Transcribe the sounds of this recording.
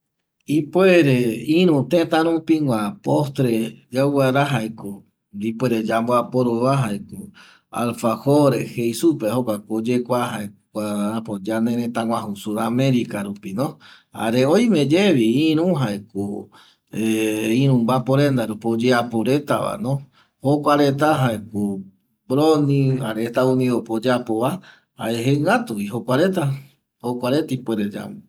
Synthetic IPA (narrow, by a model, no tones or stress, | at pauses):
ipweɾeĩɾũt̪ẽt̪ãɾũpiŋʷãpost̪ɾed͡ʒawaɾaɦajko | nd̪ipweɾed͡ʒamboapoɾoβaɦajko | a̰lfahoɾehejsupehokʷakod͡ʒekʷaɦaekʷaapod͡ʒanẽɾẽt̪ãŋʷãɦusuamẽɾikaɾupinõ | a̰ɾeoj̃mẽd͡ʒeβiĩɾũɦaeko | eĩɾũmbapoɾend̪aɾupod͡ʒeapoɾe̞t̪aʋa̰nõ | hokʷaɾet̪aɦaeko | bɾonĩaɾet̪aunĩðopod͡ʒeapoβa | a̰eɦeŋɡat̪uβiɦokʷaɾet̪a | hokʷaɾet̪ipweɾed͡ʒa̰mu